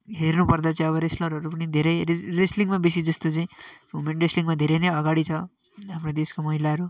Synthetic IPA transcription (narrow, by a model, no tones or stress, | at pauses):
ɦernupʌrd̪at͡saĩʌβʌɾeslʌɾɦʌɾup̬ʌnid̪ʱeɾʌjresliŋmabisid͡zʌst̪ot͡saĩmumeɳʈresliŋɡmad̪ʱeɾʌjnʌjʌɡaɽit͡sʰʌ | ɦamrod̪eskomʌɦilaɦʌɾu